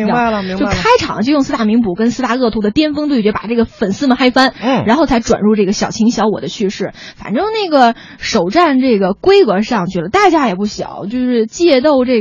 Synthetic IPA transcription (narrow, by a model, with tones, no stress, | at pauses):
ŋ˥a˥˧˩i˧t͡ɕo˥˧ʊkʰa˥ɪʈ͡ʂʰɑ̰˨˩˦ŋt͡ɕjʊjsɹ̩˥t̪a˥˩mi˧˥ŋpu˨˩kə˥nsɹ̩˥˧a˥˧ɤ˥˩t̪ʰu˧˥d̪ə˨˩t̪jɛ˥nfɤ˥ŋt̪we˥˩t͡ɕɥpa̰˨˩ʈ͡ʂɤ˥˩ɡə˩fə˨˩nsɹ̩˥˩mə˨˩xa˥ɪfa˥n˩ɻa˧˥nxo˥˩ʊt͡sʰa˧˥ɪʈ͡ʂwa̰˨˩nɻu˥˧ʈ͡ʂɤ˥˩ɡə˩ɕjɑ˨˩ʊt͡ɕʰi˧˥ŋɕjɑ˧˥ʊwɔ̰˨˩d̪ə˦t͡ɕʰy˥˧ʂɻ̩˥˩fa̰˨˩nʈ͡ʂɤ˥ŋna˥˩ɡə˩ | ʂo˨˩ʊʈ͡ʂa˥˧nʈ͡ʂɤ˥˩ɡə˩kwe˥ɪɤ˧˥ʂɑ˥˩ŋt͡ɕʰy˥˩lə˨˦t̪a˥˩t͡ɕja˥jɛ˨˩pu˥˩ɕjɑ̰˨˩˦ʊt͡ɕjo˥˧ʊʂɻ̩˥˧t͡ɕjɛ˥˧t̪o˥˧ʊʈ͡ʂɤ˥˩